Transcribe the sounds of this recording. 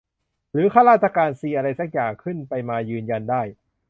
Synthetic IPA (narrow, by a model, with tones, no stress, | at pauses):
ɾɯː˨˦kʰaː˥˩ɾaː˥˩t̪̚t͡ɕʰa˧kaː˧nsiː˧ʔa˧ɾa˧jsa˨˥k̚jaː˨˩ŋkʰɯ˥˩npa˧jmaː˧jɯː˧nja˧ndaː˥˩j